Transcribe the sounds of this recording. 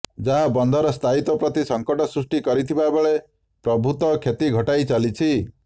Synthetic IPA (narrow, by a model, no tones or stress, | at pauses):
d͡ʒaɦabɔnd̪ʱɔɾɔst̪ʰait̪ɔpɾɔt̪isɔŋkɔʈɔsɾusʈikɔɾit̪ʰibabeɭe | pɾɔbʱut̪ɔkʰet̪iɡʱɔʈajt͡ʃalit͡ʃʰi